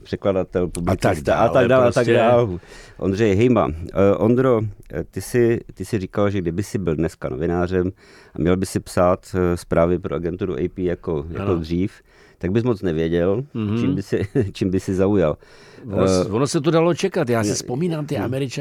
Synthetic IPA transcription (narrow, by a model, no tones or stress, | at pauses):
pr̥ɛkladat̪ɛlpublɪt͡st͡sɛalaɡdaːlat̪aɡdaːlʔo̰nd̪rɛjɦɛjma̰ʔond̪ɾot̪ɪsɪt̪ɪsɪriːkalʒɛɡdɪbɪsɪbɪldnɛskano̞̰vɪnaːr̝ɛm | ʔamɲɛlbɪsɪpsaːt̪spɾaːvɪpɾoʔaɡɛnt̪uɾṵʔɛjpiːjakoja̰kod̪r̝iːf | t̪aɡ̚bɪsmo̞t͡snɛvjɛɟɛlt͡ʃiːmbɪsɪt͡ʃiːmbɪsɪzaujal | vonosɛt̪̬odalot͡ʃɛkat̪jaːsɪspomiːnaːmt̪ɪʔamɛɾɪt͡ʃa